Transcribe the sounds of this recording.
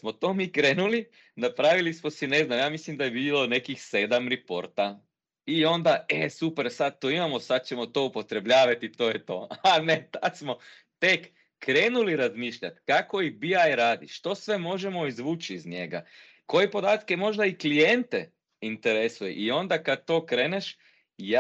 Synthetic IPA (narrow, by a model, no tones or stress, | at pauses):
smo̞t̪o̞ːmikɾe̞ːnuli | napɾaʋilismosine̞znamjaːmislimd̪ajebiːlo̞ne̞kixse̞d̪amɾipo̞ɾt̪a | io̞nd̪aesupeɾsad̪̚t̪oimamosad̪̚t͡ɕe̞mo̞t̪o̞upo̞t̪ɾe̞bʎaːʋat̪it̪o̞jet̪o̞̰anet̪at̪smo̞ | t̪ekː | ɾeːnuliɾazmiːʃʎa̰t̪kako̞ibiajɾaːd̪iʃt̪o̞sʋe̞mo̞ʒemo̞izʋuːt͡ʃiːzɲe̞ɡa̰ | ko̞jepo̞d̪aːt̪ke̞mo̞ʒd̪aiklijent̪e | int̪eɾesujḛʔio̞nd̪akad̪̚t̪o̞ːkɾe̞ːneʃ | ja